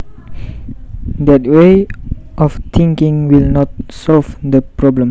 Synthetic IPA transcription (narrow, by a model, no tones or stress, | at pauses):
dɛt̚weʔɔft̪ʰĩŋkĩŋwilnɔt̚sɔlvdəpɹɔblə̃m